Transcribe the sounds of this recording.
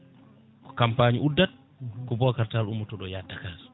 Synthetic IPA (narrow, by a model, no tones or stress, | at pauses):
kɔ̥kampaːɲiʔudːat | kɔbɔkaɾtalumutɔɗɔjatːakaːs